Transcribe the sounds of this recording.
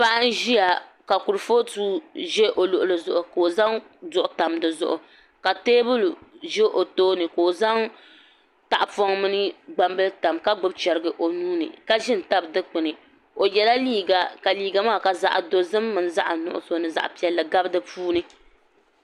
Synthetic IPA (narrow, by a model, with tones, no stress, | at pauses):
pa˦ʔa˦n̩˦ʒi˦ja˨ka˨ku˨ɾɨ˨foː˦tuː˦ʒɛ˦ʔo˨lʊ˨ʔʊ˨lɨ˨zʊ˨ʔʊ˨ko˨za˦ŋ | zʊ˦˨ʔʊ˦ta˨mdɨ˨zʊ̰˦ʔʊ˨ | ka˨teː˦bʊ˦lʒe˦ʔo˨toː˦nɨ˨ko˨za˦ŋ | ta˨ʔpɔ˦ŋmɨ˦nɨ˦ɡ͡ba˦mbɨ˦lta˨mka˦ɡ͡bʊ˦b̚t͡ʃɛ˨ɾɨ˨˦ɡɨ˨ʔo˨nuː˦nɨ̰˨ka˦ʒɪ˦n̩˨ta˦bdɨ˦k͡pɨ˨nɨ˨ | o˨jɛ˨la˦liː˦ɡa˨ka˨liː˨˦ɡa˨maː˦˨ka˨za̰˨ʔa̰˨do˦zɨ˦mːɨ˨n˦za˦ʔnʊ˨ʔʊ̰˨so˦nɨ˨za̰˨ʔpi˨ɛ˨lːɨ˨ɡa˦bɨ˦dɨ˦puː˦nɨ˦